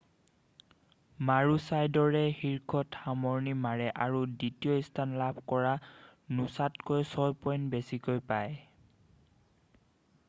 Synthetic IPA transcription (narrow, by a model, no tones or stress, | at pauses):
maɹusajdɔɹɛxiɹkʰɔtxamɔɹnimaɹɛʔaɹuditiɔistʰanlabʱkɔɹanusatkojsɔjpɔjntbesikojpaj